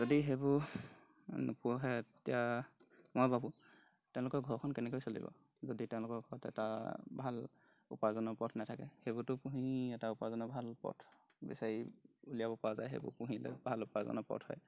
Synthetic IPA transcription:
zodiɦebu | nupuɦɛtija | mojbabu | tɛʊ̃lʊkɔɹɡʱɔɹkʰɔnkɛnɛkojsolḭbɔ̰ | zoditɛʊ̃lʊkɔɹkɔɔtɛ̰ta̰bʱal | upaɹzɔnɔpɔtʰnatʰakɛhebutʊpũɦĩɛtaupaɹzɔnɔbʱalpɔ̰tʰ | bɛ̰saɹiulijabɔpawazajɦḛbʊ̰puɦĩlo̰jbʱalupazɔ̰nɔpɔ̰tʰhɔ̰j

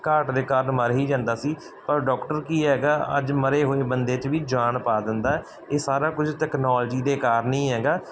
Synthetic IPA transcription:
kaːɾʈd̪eːkaːɾəɳməɾɦiːd͡ʒãːnd̪aːsiː | pəɾɖɔːkʈəɾkiːɦɛːɡaːə̰d͡ʒməɾeːɦoːeːbənd̪eːt͡ʃʋiːd͡ʒaːɳpaːd̪ɪnd̪aː | eːsaːɾaːkʊd͡ʒʈɛːknaːld͡ʒiːd̪eːkaːɾənĩːɦɛːɡaː

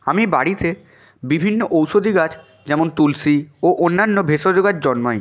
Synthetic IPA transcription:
amibaɽit̪e | bibʱinːoʔowʃod̪ʱiɡat͡ɕʰ | d͡ʑɛmont̪ulsioʔonːanːobʱeʃod͡ʑoɡat͡ɕd͡ʑɔnmɔe

